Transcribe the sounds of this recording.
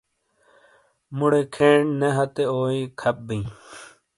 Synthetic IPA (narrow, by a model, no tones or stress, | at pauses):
muɽekʰeːɳneɦɐt̪eoːĩkʰɐp̚bĩː